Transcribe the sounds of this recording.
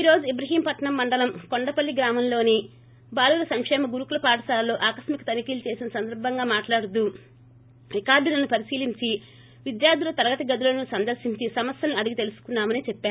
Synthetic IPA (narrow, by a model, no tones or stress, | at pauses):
iːɾoːd͡ʒuibɾɐɦiːmpɐʈːɐɳɐmːɐɳɖɐlɐmkoɳɖɐpɐlːiɡɾaːmɐmlo̞ːni | baːluːlɐsɐŋkʂɛːmɐɡuɾukulɐpaːʈɐʃaːlːo̞ːʔaːkɐʃmikɐt̪ɐnikiːlt͡ʃe̞ːsinɐsɐnd̪ɐɾbʱɐŋɡaːmaːʈlaːɽut̪̬u | ʋikaːd̪inɐnːupɐɾisiːliɲt͡ʃi | ʋid̪jaːɾd̪ʱulɐt̪ɐɾɐɡɐt̪ɐɡɐd̪ulɐnusɐnd̪ɐɾsiɲt͡ʃisɐmɐsjɐliɐd̪iɡit̪elusu̥kunːaːmɐniːt͡ʃɛpːaːɾu